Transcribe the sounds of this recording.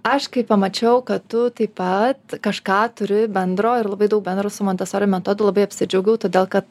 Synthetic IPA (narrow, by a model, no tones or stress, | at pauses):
ɐʃkɐɪppɐmɐt͡ʃʲɛʊkɐtt̪ʊt̪ɐɪpɐt̪kɐʃkɑːt̪ʊɾʲɪbʲɛnd̪ɾoːɪɾlˠɐbɐɪd̪ɐʊk̚bʲɛnd̪ɾoːsʊmoːnʲt̪ʲɛsoːɾʲɪnmʲɛt̪oːd̪ʊlˠɐbɐɪɐpʲsʲɪd͡ʒʲɛʊɡʲɛʊt̪oːd̪ʲeːlˠkɐt̪